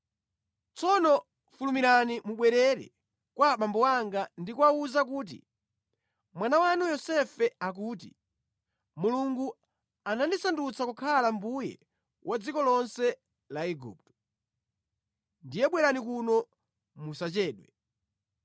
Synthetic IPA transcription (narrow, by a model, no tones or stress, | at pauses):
t͡sɔnɔ | fulumiɾanimuɓwɛɾɛɾɛ̰ | kwaɓambɔwaŋɡandikuauzakuːt̬ḭ | mwanawanujɔsɛfɛak̬uːt̬ḭ | muluŋɡu | anandisandut͡sakukʰalambujɛ̰ | wʔad͡zikɔlɔnsɛ | laɛɡṵːp̚tɔ̥ | ndijɛɓwɛɾanikunɔ | musat͡ʃɛːɗwɛ